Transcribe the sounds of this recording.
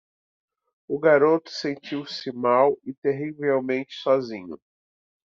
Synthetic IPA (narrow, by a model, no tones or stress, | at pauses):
ʊɡaɾot̪ʊ̥sẽnt͡ʃiwsɪmawɪt̪eɦivewmẽnt͡ʃɪ̥sɔzĩɲʊ̰